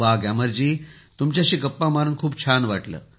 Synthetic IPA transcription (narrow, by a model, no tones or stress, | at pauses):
ʋaɡaməɾd͡ʑiː | t̪umt͡ɕjaɕiːkəpːãmaɾənkʰuːpt͡ɕʰanʋaʈlə̰ː